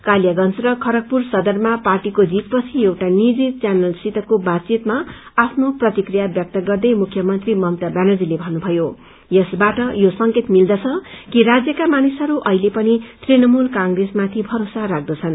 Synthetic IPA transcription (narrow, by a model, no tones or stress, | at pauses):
kaljaɡʌnt͡srʌkʰʌɾʌk̚pursʌd̪ʌrmaparʈikod͡zit̪̚pʌt͡sʰiewʈanid͡zit͡sjanʌlsit̪ʌkobad̪̚t͡sit̪ma | apʰnoprʌt̪ikrijabjʌk̚t̪ʌɡʌrd̪ʌjmukʰjʌmʌnt̪rimʌmt̪abjanʌd͡zilebʱʌnːubʱʌjo | jʌsbaʈʌjosʌŋket̪mild̪ʌt͡sʰʌkiɾad͡zjʌkamanisɦʌɾuʔʌɦilepʌnit̪rinʌmulkãŋɡresmat̪ʰibʱʌɾosaɾak̚d̪ʌt͡sʰʌn